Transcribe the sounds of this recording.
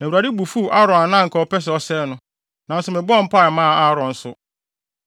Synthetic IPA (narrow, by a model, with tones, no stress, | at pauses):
nã˨u˨a˨di˦bu˨fu˦ʔa˦ɾɔ̃˨a˨nã˦ŋ̩˨kʰɔ˨˦ɔ˦pɛ˦s̬ɔ˦sɛ˦nʊ̃˦ | nã˨n̩˦sʊ˨mɪ̃˨bɔ˦m̩˦pa˦ɛ˨mãː˦˨a˦ɾɔ̃˨n̩˨sʊ˨